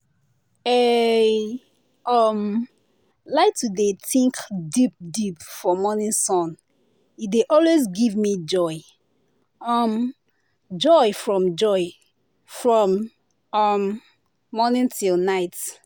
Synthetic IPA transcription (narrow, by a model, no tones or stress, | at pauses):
e | ɔm | laɪtʰudetĩŋkdip̚dipfɔmɔnĩnsɔ̃n | ideʔɔlwezɡivmid͡ʒɔɪ | ʌm | d͡ʒɔɪfɹɔ̃md͡ʒɔɪ | fɹɔ̃m | ʌmː | ɔnĩntʰilnaɪt